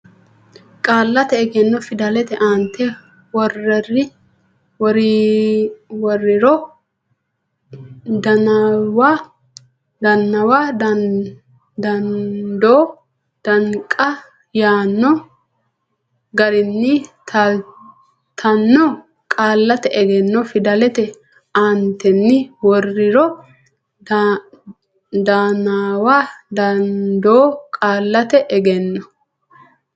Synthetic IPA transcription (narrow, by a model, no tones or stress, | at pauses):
kʼaːlːɐt̪ɛɛɡɛnːɔfɪd̪ɐlɛt̪ɛʔant̪ʰːɛ | wɔrːɛrɪ | wɔɾi | wɔrːɪɾɔ | d̪ɐnwa | d̪ɐnːɐwad̪ | d̪ɐnd̪oː | d̪̥ɐŋkʼːɐ | jaːnːɔ | ɡɐɾɪnːɪt̪ | t̪ʰɐnːɔ | kʼaːlːɐt̪ɛʔɛɡɛnːɔfɪd̪ɐlɛt̪ɛ | ant̪ɛnːɪwɔrːɪɾɔ | d̪aːnawaːd̪ɐnd̪oːkʼaːlːɐt̪ɛʔɛɡɛnːɔ